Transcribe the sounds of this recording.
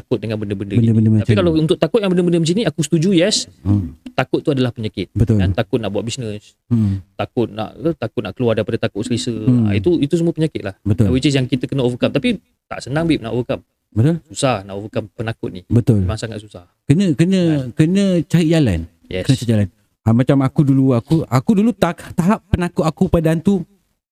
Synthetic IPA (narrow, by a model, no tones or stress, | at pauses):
akʊt̪̚dəŋanbəndəbəndəbədəbəndəaikalawunt̪ʊʔ̚t̪akʊt̪̚jaŋbəndəbəndəməs̬iniakusə̥t̪ud͡ʒujɛs | t̪akʊt̪̚ːuadalahpəɲakɪt̪̚bət̪ʊlant̪akʊt̪̚naʔbuat̪̚bisnə̃s | t̪akʊt̪̚na̰ʔt̪akʊt̪̚naʔkəluardaɣipadat̪akʊʔsəlisəa̰it̪uit̪usəmũəpəɲakɪt̪lahbət̪ʊwit͡ʃəs̬jaŋkit̪əkənəovəkam̚t̪api | t̪a̰ʔsənaŋbip̚na̰ʔovəkam̚ | bət̪ʊlsusahnaʔovəkampənakʊt̪̚nibət̪ʊlemaŋsaŋat̪susah | kənə̃kənə̃kənə̃t͡ʃaid͡ʒala̰n | jɛkənə̃t͡ʃad͡ʒalan | amat͡ʃamakuduluakuʔakudulut̪at̪aɦapːənakʊt̪akupadant̪u